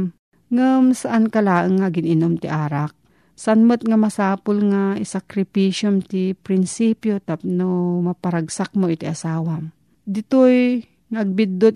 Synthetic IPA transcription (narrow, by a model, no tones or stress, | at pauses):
m | ŋəmsaʔankalaːʔəŋːaɡɪnɪnomt̪ɪʔaːɾak̚ | sanmət̪̚ŋamasaːpʊlŋaɪsakɾɪpiʃjomt̪ɪpɾɪnsipjot̪ap̚nomapaɾaɡsak̚moɪt̪ɪʔasaːwam | d̪ɪt̪oj | ŋaɐɡ̚bɪd̪ʊt̪̚